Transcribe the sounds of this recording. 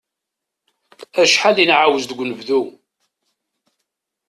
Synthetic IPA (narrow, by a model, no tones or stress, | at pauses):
æʃħalinʕawəzd̪əɡʷːnəvðu